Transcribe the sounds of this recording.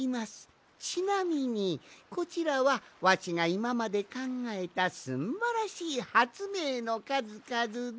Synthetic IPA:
imasɨ̥ | t͡ɕinamʲiɲ̟iko̞t͡ɕiɾaβaβat͡ɕiŋaimamad̪e̞kãŋɡae̞t̪asɨmbaɾaɕiːhat͡sɨme̞ːno̞kazɨkazɨ

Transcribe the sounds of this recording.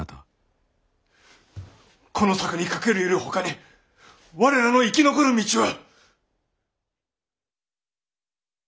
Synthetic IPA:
t̪a | kʰo̞no̞sakɯ̟ɲ̟ikake̞ɾɯiɾɯ̟ho̞kaɲʲi | βaɾe̞ɾano̞ikʲino̞ko̞ɾɯ̟mʲit͡ɕiβa

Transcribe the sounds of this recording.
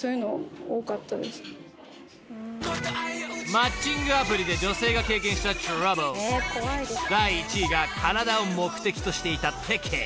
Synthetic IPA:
soːjɯ̟no̰oːkat̪ːad̪esɨ̥n | mat͡ɕːĩŋɡɯ̟apɯ̟ɾʲid̪e̞d͡ʑo̞se̞ːɡake̞ːk̬ẽ̞ɰ̃ɕi̥t̪at͡ɕɾabɯoid̪aiːt͡ɕiɡakʰanad̪ao̞mo̞kɯ̟t̪e̞kʲi̥t̪o̞ɕi̥t̪e̞it̪at̪ʰːe̞kʰe

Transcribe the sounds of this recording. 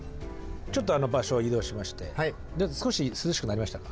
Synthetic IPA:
t͡ɕo̞t̪ːo̞ano̞baɕo̞id̪o̞ːɕimaɕi̥t̪e̞̰hai | d̪easɨ̥ko̞ɕisɨzɨɕi̥kɯnaɾʲimaɕi̥t̪akḁ

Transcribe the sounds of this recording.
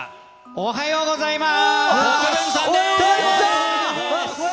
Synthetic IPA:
oɦajoːɡozaimaskesa

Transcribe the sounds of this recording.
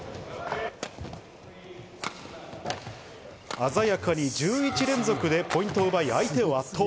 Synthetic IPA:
azajakaɲ̟id͡ʑɨːit͡ɕiɾẽ̞nzo̞kɯ̟d̪e̞pʰo̞ĩnt̪o̞ɯbaiait̪e̞o̞at̪ʰːo

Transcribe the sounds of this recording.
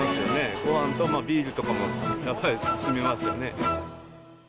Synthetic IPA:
asɨjo̞ne̞koãnt̪o̞maːbʲiːɾɯ̟t̪o̞kamo̞japːaɾʲisɨ̥sɨme̞masɨjo̞ne̞

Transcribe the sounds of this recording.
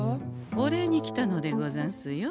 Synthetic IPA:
oɾeɲ̟ikʲi̥t̪ano̞d̪e̞ɡozãsɨjo

